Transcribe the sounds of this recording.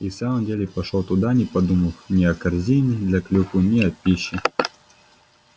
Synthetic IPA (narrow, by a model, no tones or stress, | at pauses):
isamɨmdʲelʲɪpɐʂlɔt̪ʊd̪anʲipɐd̪umɐfnʲiɐkɐrzʲinʲɪd̪lʲɐklʲuxʊnʲiɐpʲiɕɪ